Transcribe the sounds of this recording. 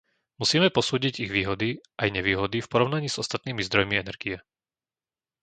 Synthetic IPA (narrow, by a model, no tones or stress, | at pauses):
musiːmɛpɔsuːɟiɟiɣʋiːɦɔd̪iajɲɛʋiːɦɔd̪ifpɔɾɔʊnaɲiːz̥ɔst̪at̪̚niːmizd̪ɾɔjmiɛnɛɾɡiɛ